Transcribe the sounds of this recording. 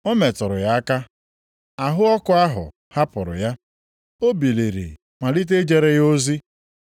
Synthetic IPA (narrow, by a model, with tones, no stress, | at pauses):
o˦me˨tʊ˨ɾʊ˨ja˦a˦ka˦ | a˨ɦʊ˦ɔ˦kʊ˨a˦ɦʊ̰˨ | ha˦pʊ˨ɾʊ̰˨ja˦ | o˦bi˨le˨ɾḭ˨ | ma˨li˦t̬e˦d͡ʒe˦ɾe˦ɣo˦zi˦